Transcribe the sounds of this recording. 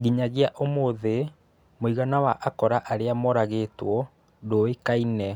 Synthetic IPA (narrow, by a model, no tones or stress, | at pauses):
ɡiɲaɣeaʔomoðe | moiɣanawaʔakɔɾaʔaɾeamɔɾaɣetwɔ | doikainɛ